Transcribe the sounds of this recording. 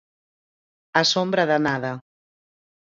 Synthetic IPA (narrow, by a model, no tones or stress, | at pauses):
asombɾɐðanaðɐ